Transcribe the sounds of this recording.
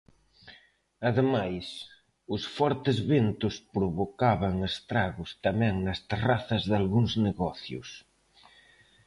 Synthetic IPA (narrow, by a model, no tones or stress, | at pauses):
ɐðemajs | ʊsfɔɾt̪ɪzβent̪ʊspɾoβokaβɐŋest̪ɾaɣʊst̪amɛ̃ŋnɐst̪eraθɐzðalɣuŋzneɣɔθjʊ̰s